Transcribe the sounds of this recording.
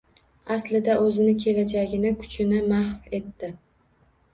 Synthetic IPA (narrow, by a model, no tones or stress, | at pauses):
aslɪd̪aʔɵzɪnɪkʲʰe̞lad͡ʒaɡʲɪnɪkʰʊ̥t͡ʃʰɪnɪmahfe̞t̪ːɪ